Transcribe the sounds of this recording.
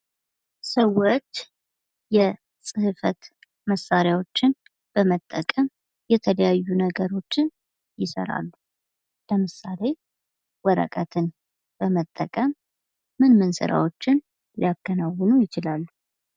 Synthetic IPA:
səwot͡ʃː | jɛ | sʼɨhɨfət̪ | məsaɾjawo̞t͡ʃːɪn | b̥əmət̪ʼːəkʼəm | jɛt̪ʰələjajːunəɡəɾo̞t͡ʃːɪn | jɪsə̰ɾa̰lːu | ləmɨsale̞ | wɔɾə̰kʼət̪ʰɨn | b̥əmət̪ʼːəkʼəmː | ɨnmɨnsɨ̰ɾa̰wot͡ʃːɪn | lijakːənawːɨnujɪt͡ʃɪlalːu

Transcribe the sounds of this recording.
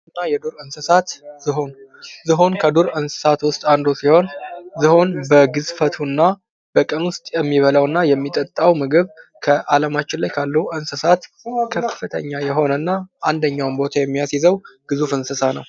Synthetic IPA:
ɨnːajɛd̪uɾɨnsɨsat̪z̥ɨɦo̞nzɨɦo̞nkʰəd̪uɾɨnsɨ̥sat̪wʊst̪ʼand̪osiho̞nzɨho̞nbəɡɨzfət̪ʰunːa | b̥əkʼənwʊst̪ʼjɛmːiβələwɨnːajɛmːit̪ʼət̪ʼːawmɨɡɨβkʰəʔaləmat͡ʃːɪnlajkʰalːəʔɨnsəsat̪ | kʰəffːɨt̪ʰə̰ɲːajɛɦo̞nənːaand̪əɲːawmbo̞t̪ʰajɛmːijasizəwɡ̥ɨzufɨnsɨsanəw

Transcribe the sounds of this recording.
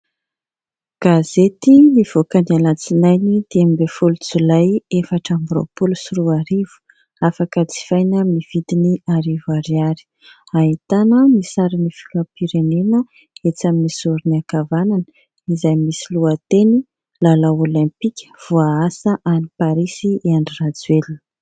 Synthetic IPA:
ɡ̥azet̪iniv̥okanialat͡sinajnid̪̥emibefulut͡sulajefaʈ͡ʂambɾo̰pulusuɾuaɾiv̥u̥ | afakət͡si̥fajnammniv̥id̪iniaɾivaɾiaɾi̥ | aɦit̪anəmisaɾinifi̥lapiɾenenə | et͡saminisuɾiniakavananə | izajmisiluat̪eni | lalaolɛ̃mpikʲə̥v̥uaasəʔanipaɾisiaɳɖ͡ʐirad͡zweln

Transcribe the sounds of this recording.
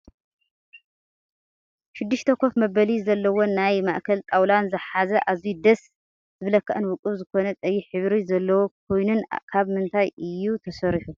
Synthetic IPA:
ʃɪd̪ːɨʃt̪ʰɐkʰo̞fmɐbɐlizɐlːɐwo̞nːajma̰ʔkʰɐlt̪ʼawlanzɨħazɐʔaβzijd̪ɐs | z̥ɨβlɐkʰːɐʔɨnwʊkʼɨβzɨko̞nɐt̪ʼɐjːiħɨβɾizɐlːɐwok̚ʰo̞jnunkʰaβmɨnt̪ʰajɨjːut̪ʰɐsɐɾiħu

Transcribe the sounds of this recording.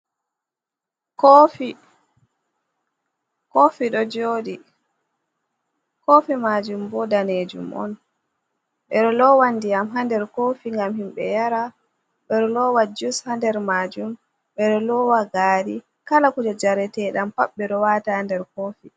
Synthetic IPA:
kofi | kofiɗɔd͡ʒoːdi | kofimad͡ʒumbɔdaned͡ʒṵmʔɔ̰n | ɓɛɗɔlɔwandijamɦandɛɾkofiŋɡamhimɓɛjaɾa | ɓɛɗɔlɔwad͡ʒushandɛɾmaːd͡ʒum | ɓɛɗɔlɔwaɡaːɾi | kalakud͡ʒad͡ʒaɾɛtɛɗampaɓːɛɗɔwaːtahandɛɾkoːfi

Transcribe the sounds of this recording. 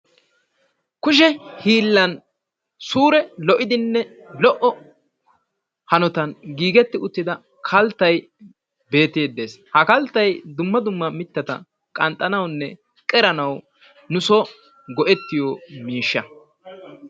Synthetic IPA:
kʊʃ̬ɛhiːlːɐn | suːɾɛlɔʔɪd̪ɪnːɛ | lɔʔɔ | hɐnɔt̪ɐnɡiːɡɛt̪ːɪʊt̪ːɪd̪ɐ | kʰɐlt̪ːɐj | be̞ːt̪ːeːd̪ːe̞ːshɐkɐlt̪ːɐjd̪ʊmːɐd̪ʊmːɐmɪt̪ːɐt̪ɐ̰ | kʼɐnt̪ʼːɐnɐwnːɛ | kʼɛɾɐnɐw | nʊso | ɡɔʔɛt̪ːɪjoːmiːʃːɐ

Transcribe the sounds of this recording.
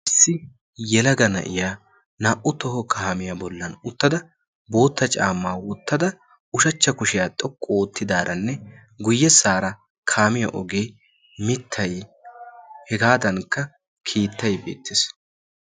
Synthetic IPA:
ʔɪsːɪ | jɛlɐɡɐnɐ̰ʔɪjaː | naːʔʊt̪ɔhɔkʰaːmɪjabɔlːɐnʊt̪ːɐd̪ɐ | bo̞ːt̪ːɐt͡ʃʼa̰ːmːaːwɔt̪ːɐd̪ɐ | ʊʃɐt͡ʃːɐkʊʃɪjaːt̪ʼɔkʼːoːt̪ːɪd̪aːɾʔɐnːɛ | ɡʊjːɛsaːɾɐ | kʰaːmɪjɐ̰ʔɔɡeː | mɪt̪ʰːɐj | hɛɡaːd̪ɐnkːɐ | kʰiːt̪ːɐjbeːt̪ːɪs

